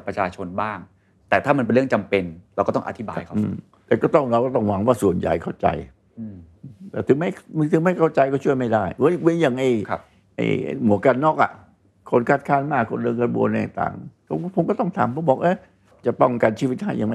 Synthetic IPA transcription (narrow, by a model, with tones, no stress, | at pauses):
pɾa˧˩t͡ɕʰaː˧t͡ɕʰo˧nbaː˥˩ŋ | t̪ɛː˨˩t̪ʰaː˥˩ma˧npe˧nɾɯ˥˩ə˨ŋt͡ɕa˧mpe˧nɾa˧wkɔː˥˩t̪ɔ˥˩ʔa˧t̪ʰi˦˥ba̰ː˧jkʰʔːm | t̪ɛː˨˩kɔː˥˩t̪ɔ˥˩ŋɾa˧wkɔː˥˩t̪ɔ˥˩ŋwa˧˦ŋwaː˥˩su˨˩ənja̰˨˩jkʰa˥˩wt͡ɕa̰˧j | t̪ɛː˨˧˩t̪ʰɯ˨˦ŋma˥˩˧t̪ʰɯ˨˦ŋma˥˩jkʰa˥˩wt͡ɕa˧jkɔː˥˩t͡ɕʰu˥˩əjma˥˩jda˥˩jwwe˧˥nja˨˩ŋʔa˧˩j | ʔa̰˧j̰mu˨˦əka˧nːɔː˥˩k̚ʔa̰˨˩ʔ | kʰo˧˥nkʰa˧˩t̪̚kʰaː˧˥˩nmaː˥˩kʰo˧ndɤː˧nkɾa˧bṵ˧ənːɛ˧˩˨t̪a̰ː˨˩ŋpʰo˧˦˩pʰo˨˦mkɔː˥˩t̪ɔ˥˩ŋt̪ʰa̰ː˨˦mpʰo˨˦bɔː˨˩k̚ʔaː˧˥˩ | t͡ɕa˨˩pɔ˥˩ŋka˧nt͡ɕʰiː˥˧˩wi˦˩t̪̚ha˥˩ja˧ŋma˧˥˩